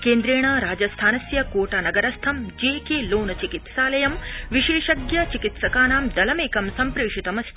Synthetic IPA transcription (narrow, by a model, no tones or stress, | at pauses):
keːnd̪ɾeːɳɐɾaːd͡ʒɐst̪ʰaːnɐsjɐkoːʈɐnɐɡɐɾɐst̪ʰɐmd͡ʒeːkeːloːnɐt͡ʃikit̪saːlɐjɐmʋiʃeːʃɐɡjɐt͡ʃikit̪sɐkaːnaːmd̪ɐlɐmeːkɐmsɐmpɾeːʂit̪ɐmɐst̪